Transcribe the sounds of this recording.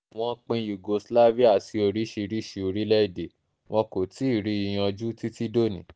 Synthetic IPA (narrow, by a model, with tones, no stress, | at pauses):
w̃ɔ̃˦k͡pĩ˧ju˨ɡo˧sla˦vi˦a˦˨ti˧o˧ɾi˦ʃi˧ɾi˦ʃi˧o˧ɾi˦lɛ˦i˦˨de˨ | w̃ʔɔ̃˧ko˨ti˨˦i˦˨ɾi˨˦i˧j̃ã˧d͡ʒu˦ti˦ti˦do˦˨nĩ˨